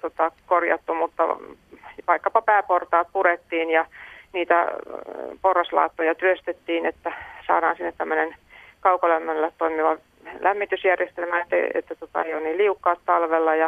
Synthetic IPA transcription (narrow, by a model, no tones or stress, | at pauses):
t̪ot̪ɑkorjɑ̰t̪ːumut̪ːɑ̰ | ʋɑikːɑpɑpæːport̪ɑːt̪̚puɾet̪ːiːnjɑniːt̪æ̰ | porːɑslɑ̰ːt̪ːojɑt̪yøst̪et̪ːiːnet̪ːæsɑ̰ːdɑːnsinːet̪t̪æmːønenkɑukɑlæmːælːæt̪t̪oimiʋɑ | lʔæmːit̪ysjærjest̪elmæet̪ːḛḛt̪ːæt̪ot̪ɑ̰ḛjonniːliukːɑːt̪t̪ɑlʋelːɑjɑ